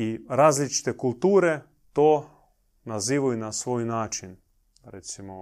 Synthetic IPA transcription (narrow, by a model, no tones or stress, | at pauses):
iɾaːzlit͡ʃi̥t̪ekulˠt̪uːɾe | t̪oː | naziːʋujunasʋoːjnaːt͡ʃin | ɾet̪simo